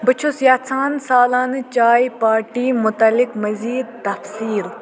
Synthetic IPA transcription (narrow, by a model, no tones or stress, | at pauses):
bɨt͡ʃʰusjaːt͡sʰaːnsaːlaːnt͡ʃaːjpaːɾʈiːmʊt̪ɐlːɪkmɐziːd̪̚t̪ɐfsiːɾ